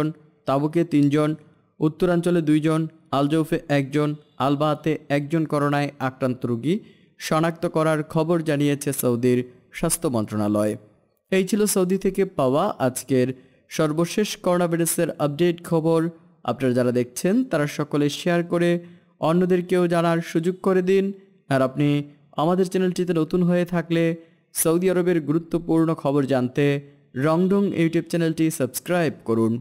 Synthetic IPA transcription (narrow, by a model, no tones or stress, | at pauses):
on | t̪aboket̪ind͡ʑon | ut̪ːoɾant͡ɕoled̪ujd͡ʑon | ald͡ʑowfeʔɛk̚d͡ʑon | albaɦat̪eɛk̚d͡ʑonkɔɾonaeakɾant̪oɾuɡi | ʃɔnak̚t̪okɔɾaɾkʰɔboɾd͡ʑanijet͡ɕʰesowd̪iɾ | ʃast̪ʰomɔnt̪ɾonalɔe | ejt͡ɕʰilosowd̪it̪ʰekepaoaʔad͡ʑkeɾ | ʃɔɾboʃeʃkɔɾonabʱajɾaseɾap̚ɖeʈkʰɔboɾ | a̰pnaɾad͡ʑaɾad̪ek̚ʰt͡ɕʰent̪aɾaʃɔkoleʃeaɾkoɾe | ɔnːod̪eɾkeod͡ʑanaɾʃud͡ʑoɡ̚koɾed̪in | aɾapni | amad̪eɾt͡ɕɛnelʈit̪enot̪unɦoet̪ʰakle | sawd̪iaɾobeɾɡuɾut̪ːopuɾnokʰɔboɾd͡ʑant̪e | ɾɔŋɖoŋjuʈijub̚t͡ɕɛnelʈisəbskɾajb̚koɾun